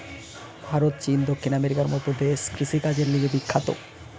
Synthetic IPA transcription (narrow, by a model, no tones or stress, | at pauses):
bʱaɾot̪t͡ɕind̪okʰːinameɾikaɾmɔt̪od̪eʃkɾiʃikad͡ʑeɾliɡebikʰːat̪o̰